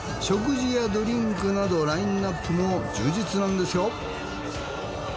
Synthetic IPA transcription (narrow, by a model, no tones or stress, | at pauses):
ɕo̞k̬ɯ̟ʑijad̪o̞ɾʲĩŋkɯ̟nad̪o̞ɾaĩnːapːɯmo̞d͡ʑɨːd͡ʑit͡sɨnãnd̪e̞sɨjo̞